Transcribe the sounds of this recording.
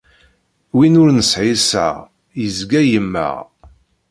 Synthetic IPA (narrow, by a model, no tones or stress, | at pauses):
winʊɾnəsʕisæ̰ʁ | jəzɡæjəmːə̰ʁ